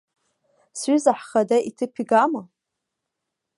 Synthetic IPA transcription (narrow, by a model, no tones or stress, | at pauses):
sɥizaħχadaʔitʰɨpʰiɡama